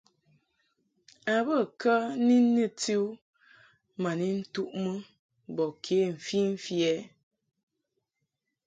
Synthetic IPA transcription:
a˨bə˦˨kə˦ni˦ni˦ti˦u˦ | ma˨ni˦n̩˦tu˦ʔmə˦ | bɔ˨kʰe˨˦m̩˨fi˦m̩˦fjɛ˨˦

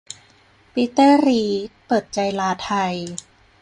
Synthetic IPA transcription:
pi˦˥t̪ːɤː˥˩˨ɾiː˦t̪̚pɤː˨˩t̪̚t͡ɕa˧jlaː˧t̪ʰa˧j

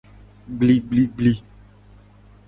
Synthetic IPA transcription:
ɡ͡bli˨ɡ͡bli˨ɡ͡bli˨

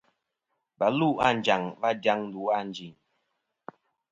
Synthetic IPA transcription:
ba˨˦lu˦a̰˦˨n˨d͡ʒa˨ŋva˦dja˦ŋn̩˦du˨˦a˦˨n˦d͡ʒi˨n

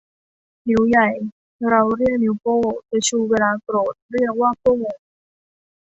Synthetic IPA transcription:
ni˩˦wja˨˩j | ɾa˧wɾi˥˩ək̚ni˨˩˦wpoː˥˩pa˧t͡ɕʰuː˧weː˧laː˧kɾoː˨˩t̪̚ɾi˥˩ək̚waː˥˩pʰu˥˩˨ŋo˧˩ŋ

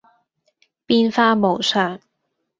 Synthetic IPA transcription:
piː˥nfaː˥mo˨˩wsœː˨˩ŋ

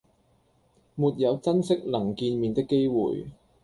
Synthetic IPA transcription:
muː˨t̚jɐ˨˧wt͡sɐ˥nsɪ˥k̚lɐ˨˩ŋkiː˧nmiː˨nt̪ɪ˥kːe˥jwṵː˨j

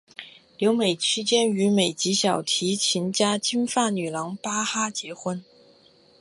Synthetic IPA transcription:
ljo˧˥ʊme˨˩ɪt͡ɕʰi˥t͡ɕjɛ˥ny˧˥me˨˩ɪt͡ɕi˧˥ɕjɑ˨˩ʊt̪ʰi˧˥t͡ɕʰi˧˥nt͡ɕja˥t͡ɕi˥nfa˥˩ny˨˩lɑ˧˥ŋpa˥xa˥t͡ɕjɛ˧˥xwə˥n

